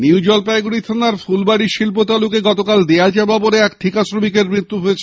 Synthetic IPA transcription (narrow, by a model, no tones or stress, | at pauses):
niud͡ʑɔlpajɡuɽit̪ʰanaɾfulbaɽiʃilpot̪alukeɡɔt̪okald̪ealt͡ɕababoɾeɛkʈʰikasɾomikeɾmɾit̪ːuɦojet͡ɕʰe